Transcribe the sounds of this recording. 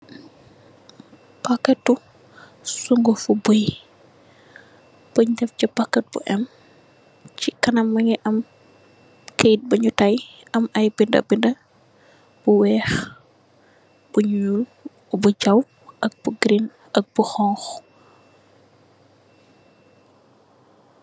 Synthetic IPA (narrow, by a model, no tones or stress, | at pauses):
pakːɛt̚ːu | suŋɡofuboj | b̥əɲdɐfcɐpakːɛt̚bṵʔɛm | t͡ʃikɐnɐmːɐŋɛʔɐm | kʰejt̚bɐɲutaj | ɐmɐjbindɐ̰bindɐ | b̥uwɛːx | b̥uɲul | buɟɐw | ʔɐk̚buɡɾin | ɐk̚buxɔŋx